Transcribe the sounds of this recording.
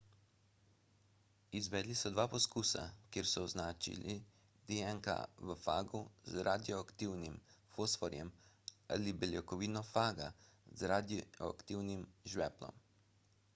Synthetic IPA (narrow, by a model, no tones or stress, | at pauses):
izʋɛːd̪lisɔd̪ʋaːpɔskuːsa̰kjeːɾsɔɔznaːt͡ʃḭlḭ | d̪eɛŋka̰ʋəfa̰ːɡuzɾʔad̪ijɔakt̪iwnimfosfɔɾjɛm | a̰ːlibɛljɛkɔʋiːnɔfaːɡazɾad̪ɔa̰kt̪iwnimʒʋɛplɔ̰m